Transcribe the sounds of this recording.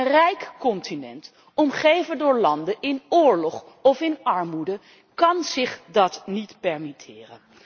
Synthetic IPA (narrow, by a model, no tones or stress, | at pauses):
ənrɛjkkɔntinɛ̰nt | ɔmχejvəndʊːɹlɑndəʔɪnʊːɹlɔχ | ɔfɪnɑɹmudə | kɑnz̥ɪχdɑtnitpɛɹmitʰɪːrə̰n